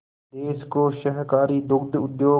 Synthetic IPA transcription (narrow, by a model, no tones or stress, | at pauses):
d̪eːskoʃəɦkaːɾid̪ʊɡd̪ʱʊd̪joː